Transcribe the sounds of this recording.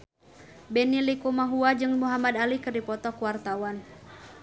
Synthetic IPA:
bɛnilikumaɦuad͡ʒɨŋmuɦamad̪alikɨrdipɔt̪ɔkuwart̪awan

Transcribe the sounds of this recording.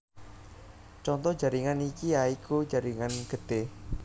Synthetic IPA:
t͡ʃɔnt̪ɔhd͡ʒa̤ɾiŋanikiaikud͡ʒaɾiŋanɡ̥əd̪̥e

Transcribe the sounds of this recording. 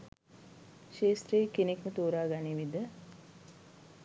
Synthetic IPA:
ʃeːst̪rejekenekmət̪oːɾaːɡaniʋid̪ə

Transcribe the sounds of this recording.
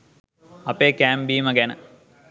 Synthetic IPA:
ɐpeːkæːmbiːməɡænə̰

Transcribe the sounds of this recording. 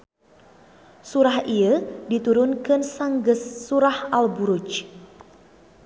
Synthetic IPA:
suɾaɦiədit̪uɾʊnkənsaŋɡəsːuɾahalbuɾut͡ʃ

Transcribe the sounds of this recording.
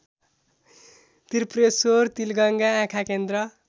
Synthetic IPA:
t̪iɾpresort̪ilɡʌŋɡaãkʰakend̪rʌ

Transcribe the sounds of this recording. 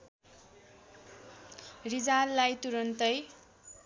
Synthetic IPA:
rid͡zalːajt̪uɾʌnt̪ʌj

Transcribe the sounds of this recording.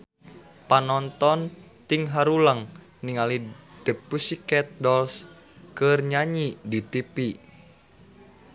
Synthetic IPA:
panɔnt̪ɔnt̪iŋɦaɾulaŋ | niŋalid̥əpːusikɛt̪̚dɔls | kərɲaɲidit̪ipi

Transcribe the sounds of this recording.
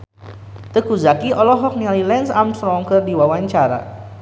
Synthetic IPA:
t̪əkuzakiʔɔlɔɦɔk̚nialilɛnsamsɾɔŋkərdiwawaɲt͡ʃaɾa̰

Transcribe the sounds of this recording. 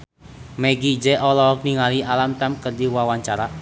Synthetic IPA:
meɡid͡ʒɛʔɔlɔkniŋaliʔalamt̪ɛmkərdiwawaɲt͡ʃaɾa

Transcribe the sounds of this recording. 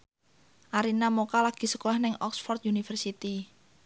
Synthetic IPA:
ʔaɾinamokalaɡ̥i̤səkɔɛhnɪŋɔ̰ksfɔrt̪̚junifərsit̪i

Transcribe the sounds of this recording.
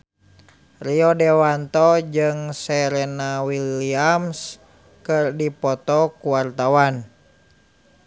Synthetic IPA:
riɔdɛwant̪ɔd͡ʒɨŋsɛɾɛnawiliams | kɨrdipɔt̪ɔkuwart̪awan

